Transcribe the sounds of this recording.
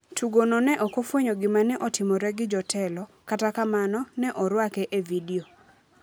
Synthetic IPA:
tʰuɡonɔnɛʔɔkofwoɲoɡɪmanɛʔɔtɪmɔɾɛɡɪd͡ʒɔtʰɛlɔkatakamanɔnɛʔɔɾwakɛʔevidio

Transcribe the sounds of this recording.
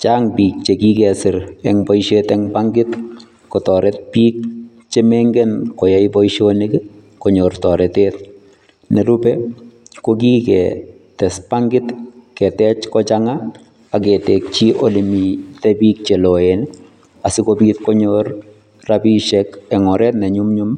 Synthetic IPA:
t͡ʃaːŋbiːk̚t͡ʃekikɛsɪɾɛŋbɔjʃetɛŋpaŋɡɪt̪ | kɔtɔɾɛt̚piːk̚ | t͡ʃemɛŋɡɛnkɔjaibɔjʃonik | kɔɲortɔɾɛtet̚ | nɛɾubɛkokiːkɛ | tɛspaŋɡɪt̪kɛtɛt͡ʃkɔt͡ʃaŋa | akɛtɛk̚t͡ʃiʔolimitɛbiːk̚t͡ʃeloen | asɪkobiːt̪kɔɲor | rabiʃɛkɛŋɔɾɛtnɛɲumɲʊm

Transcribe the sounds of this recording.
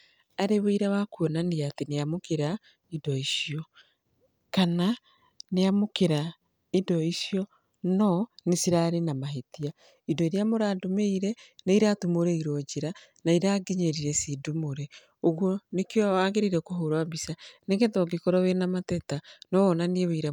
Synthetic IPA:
aɾeβeiɾawakuɔnaniateneamokeɾa | idɔisijɔ | kana | neamokeɾa | idɔisjɔ | nɔnesiɾaɾenamaɦetia | indɔeɾjamoɾaːdomeiɾɛneiɾatumoɾɛiɾɔd͡ʒeɾa | naiɾaɡeɲeɾiɾɛsidumoɾe | oɣwɔnekejɔaːɡeɾiɾɛkoɦoɾwabisaneɡetɔɡekoɾɔwenamatɛtanɔwɔnanieweiɾa

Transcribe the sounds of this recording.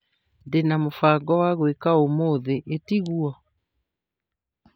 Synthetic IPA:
ndenamofaːɡɔwaɣwekaomoðeʔetiɣuɔ

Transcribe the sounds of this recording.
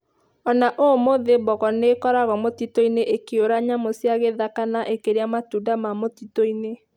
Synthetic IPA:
ɔnaʔomoðebɔɣɔnekɔɾaɣɔmotitoineʔekeoɾaɲamosiaɣeðakanaʔekeɾeamatudamamotitoine

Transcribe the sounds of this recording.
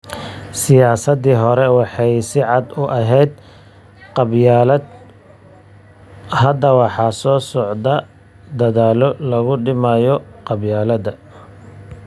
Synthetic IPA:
sɪjaːsɐd̪iːɦɔɾɛwɑħɑjsɪʕɑd̪ʊʔɐɦɛjd̪̚ | qɑbjaːlɐd̪ | hɐd̪ɐwɑħɑsɔːsɔʕd̪ɐ | d̪ɐðaːlɔlɐɣʊɖɪmajɔqɑbjaːlɐd̪ɐ

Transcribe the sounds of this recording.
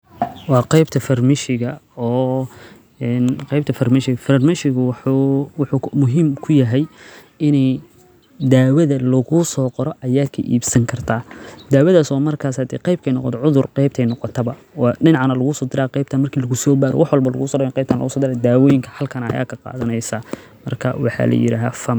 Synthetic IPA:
wɑːqɑjbt̪ʰɐfɐrmɪʃɪɣɐɔː | ɛnqɛjb̚t̪ʰɐfɐrmɪʃɪɣɐfɐrmɪʃɪɣʊ | wʊħʊmʊɦiːmkʰʊjɐɦɛj | ɪnɛj | d̪aːwɐðɐlɐɣʊsɔːqɔɾɔʔɐjaːkʰɐ̰ʔḭːbsɐŋkʰɐrt̪ʰaːd̪aːwɐðaːsɔːmɐrkʰaːshɐd̪ɛqɑjb̚kʰɛjnɔqɔt̪ʰɔʕʊðʊrqɛjb̚t̪ʰɛjnɔqɔt̪ʰɐbɐwɑɗɪnɑʕanɐlɐɣʊsɔːd̪ɪɾaːqɛjb̚t̪ʰaːnmɐrkʰiːlɐɣʊsɔːbaːɾɔ̰wɑħwɐlbɐlɐ̰ɣusɔːdɐjnqɛjb̚t̪ʰːnlɐ̰ɣʊsɔːd̪ɪɾaːd̪aːwɔːjɪŋkʰɐ̥hɐlkʰɐnɐɐ̰ja̰ːkʰɐqɑ̰ːðɐnɛjsa | mɐrkʰɐwɑħɑ̰lʔɐ̰jɪ̰ɾa̰ːɦfɐm

